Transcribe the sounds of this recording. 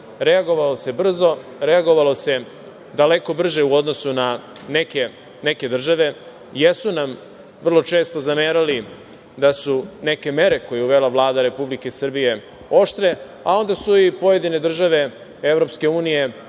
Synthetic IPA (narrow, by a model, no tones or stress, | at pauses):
ɾe̞aɡo̞ʋalose̞br̩zo̞ɾeaɡo̞ʋalo̞se̞ | d̪ale̞ko̞br̩ʒeuod̪no̞sunaneke | neke̞d̪r̩ʒaʋe̞ | jesunam | vr̩lˠo̞t͡ʃeːst̪o̞zameːɾali | d̪asune̞ke̞me̞ɾe̞ko̞jeuʋe̞laʋlˠaːd̪aɾe̞publike̞sr̩bije̞ | o̞ʃt̪ɾe̞ | ao̞nd̪asuipo̞je̞d̪ine̞d̪r̩ʒaʋe̞ | eʋɾo̞pske̞uːnije̞